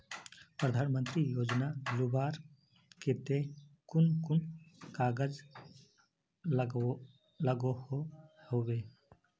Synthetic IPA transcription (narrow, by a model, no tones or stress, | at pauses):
pɾəd̪ʱaːnmə̃nt̪ɾijoːd͡ʒnazʊbaːɾ | ket̪ekʊnkʊnkaːɡəd͡ʒ | ləɡohohoːʋeː